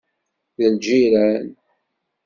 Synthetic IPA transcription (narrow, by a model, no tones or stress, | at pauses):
ðəld͡ʒiɾæn